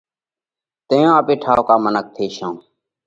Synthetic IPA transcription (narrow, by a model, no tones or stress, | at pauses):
t̪ẽːjãːəpeːʈʰaːoːkaːmənək̚t̪ʰeːʃãː